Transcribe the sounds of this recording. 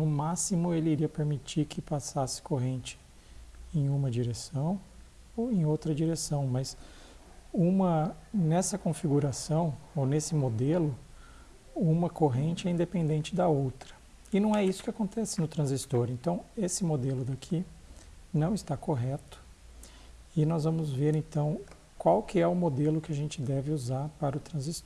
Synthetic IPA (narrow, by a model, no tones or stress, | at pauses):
nʊmasimʊelɪiɾiɐpeɾmit͡ʃiɾkʰɪpasasɪ̥koɦẽnt͡ʃɪ̥ | ẽj̃ũmɐd͡ʒiɾesɐ̃w̃ | owẽj̃owt̪ɾɐd͡ʒiɾesɐ̃w̃mɐz | ũmɐnɛsɐkõfiɡuɾasɐ̃w̃ownesɪmod̪elʊ | ũmɐkoɦẽnt͡ʃɪɛĩd̪epẽnd̪ẽnt͡ʃɪd̪ɐowt̪ɾɐ̥ | ɪnɐ̃w̃ɛisʊ̥kɪakõnt̪ɛsɪnʊt̪ɾɐ̃zist̪oɾẽnt̪ɐ̃w̃esɪmod̪elʊd̪akʰi | nɐ̃w̃ɪst̪akoɦɛt̪ʊ̥ | ɪnɔzvɐ̃mʊzveɾẽt̪ɐ̃w̃ | kwawkɪɛʊmod̪elʊkɪaʒẽnt͡ʃɪd̪ɛvɪuzaɾpaɾɐʊt̪ɾɐ̃zist̪o